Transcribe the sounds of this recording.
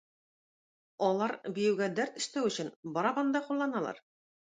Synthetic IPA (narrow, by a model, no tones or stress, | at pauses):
ɒlˠɑɾbĭjɘ̆wɡæd̪æɾt̪ɘ̆ʃt̪æwɘ̆ɕɘ̆nbɒɾɑpɑnd̪ɑqulˠːɑnɑlˠɑ̰ɾ